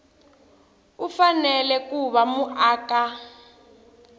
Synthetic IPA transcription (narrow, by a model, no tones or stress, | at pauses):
ufanɛlɛkuβamuʔaːka